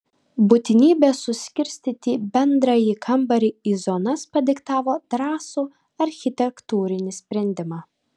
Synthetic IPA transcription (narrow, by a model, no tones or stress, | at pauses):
bʊt̪ʲɪnʲiːbʲeːsʊsʲkʲɪɾʲsʲt̪ʲiːt̪ʲiːbʲɛnd̪ɾɐjikʰɐmbɐɾʲiiːzɔnɐspɐd̪ʲɪkt̪ɑːʋoːd̪̥ɾɑːsuː | ɐɾʲxʲɪt̪ʲɛkt̪uːɾʲɪnʲɪsʲpʲɾʲɛnʲd̪ʲɪmɑː